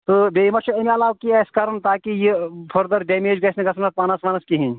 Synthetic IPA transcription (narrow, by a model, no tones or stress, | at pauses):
t̪ɨbeːimɐt͡ʃʰiɐmʲɐlaːʋkiɐskɐɾɐnt̪aːkijipʰɐɾd̪ɐɾɖeːmeːd͡ʒɡɐsʲniɡɐsɐnɐspɐːnɐsʋɐːnɐskiɦĩn